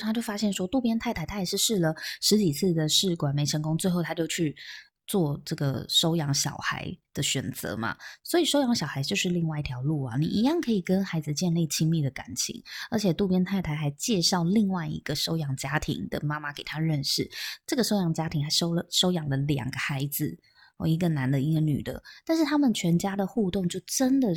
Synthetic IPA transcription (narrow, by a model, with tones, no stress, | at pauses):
a˥t͡ɕjo˥˩ʊfa˥ɕjɛ˥˩nʂwɔ˥t̪u˥˨˩pjɛ˥nt̪ʰa˥˩ɪt̪a˧˥ɪt̪ʰa˥jɛ˨˩ʂɻ̩˥˧ʂɻ̩˥˩lə˩ʂɻ̩˧˥t͡ɕi˨˩t͡sʰɹ̩˥˩d̪ə˩ʂɻ̩˥˩kwa˨˩nme˧˥ɪʂə˧˥ŋkʊ˥ŋt͡swe˥˧xo˥˩t̪ʰa˥t͡ɕjo˥˧ʊt͡ɕʰy˥˧ | t͡swɔ˥˧ʈ͡ʂɤ˥˩ɡə̰˩ʂo˥ʊjɑ˧˥ŋɕjɑ̰˨˩ʊxa̰˧˥ɪd̪̥ə˨ɕɥɛ˨˩nt͡sɤ̰˧˦ma̰˩swɔ˧˥i˨˩ʂo˥ʊjɑ˧˥ŋɕjɑ˨ʊxa˧˥ɪt͡ɕjo˥˧ʊʂɻ̩˥˧li˥˧ŋwa˥˧ɪi˧t̪ʰjɑ˧˥ʊlu˥˩ɐ̰˨˩nḭ˨˩ʔi˨˧˥jɑ˥˩ŋkʰɤ˧˥i˨˩kə˦nxa˧˥ɪd͡zɹ̩˧t͡ɕjɛ˥˧nli˥˩t͡ɕʰi˥ŋmi˥˩d̪ə˩ka̰˧˩˦nt͡ɕʰḭ˧˥˦ŋə˞˧˥t͡ɕʰjɛ˨˩t̪u˥˩pjɛ˥nt̪ʰa˥˩ɪt̪ʰa˧ɪxa˧˥ɪt͡ɕjɛ˥˧ʂɑ˥˧ʊli˥˧ŋwa˥˩ɪḭ˧˥ɡ̥ə˨ʂo˥ʊjɑ˧˥ŋt͡ɕja˥t̪ʰḭ˧˥ŋd̪ə̰˨ma˥ma˨ke˨˩ɪt̪ʰa˦˥ɻə˥˧nʂɻ̩˥˩ʈ͡ʂɤ˥˩ɡə˩ʂo˥ʊjɑ˧˥ŋə˧t͡ɕja˥t̪ʰi˧˥ŋxa˧˥ɪʂo˥ʊlə˩ʂo˥ʊjɑ˨˩ŋlə˦ljɑ̰˨˩ŋɡə˦xa˧˥ɪd͡zɹ̩˨˧˩ | i˧˥ɡə˨na˧˥nd̪ə˧˨i˧˥ɡə˧ny̰˨˩d̪ə̰˦t̪a˥˧nʂɻ̩˥˩t̪ʰa˥mə˨nt͡ɕʰɥɛ˧˥nt͡ɕja˥d̪ə˨xu˥˧t̪o˥˧ŋt͡ɕjo˥˩ʊʈ͡ʂə˦˥nd̪ə˨